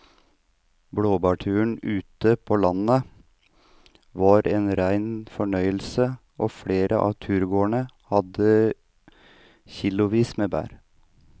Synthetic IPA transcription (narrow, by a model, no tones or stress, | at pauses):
bɽoːbɑːʈʰʉːɳʉːt̪əpʰoːlɑnə | ʋɑːɾʔeːnɾæɪnfɔɳœʏəlsə | ʔoːfɽeːɾəʔɑ̰ːʋt̪ʰʉːɾɡoːəɳə | hɑd̪ə | çɪlʊʋiːsmeːbæ̰ːɾ